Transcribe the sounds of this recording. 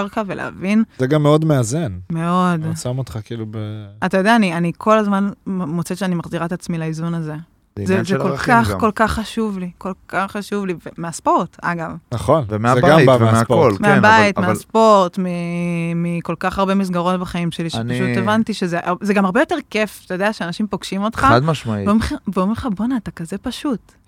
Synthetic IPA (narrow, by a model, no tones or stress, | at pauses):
aʁkavelḛa̰vinzeɡamːeodmeazenme̞o̞dsamot̪χakiiːlubeat̪ajodeaːnianikʰo̞lazmanmot͡seʃeanimaχziʁaet̪at͡smilaizunaze | zezekokaχko̞lkaχːaʃuvliko̞lkʰaχːaʃuvlivemeaspo̞ʁta̰ɡavnaχonvemeabvmeaolmeabajit̪measpo̞ʁt̪mimiko̞lkaχaʁbe̞mis̬ɡaʁo̞tbaχaimʃe̞liʃepaʃutevantiʃe̞zeʔazeɡamaʁbejo̞te̞ʁkeft̪ajodeaʃeaːnaʃimpo̞ɡ̥ʃimo̞t̪χaad̪maʃmailomeχiveomʁχabonaːt̪akazepaʃut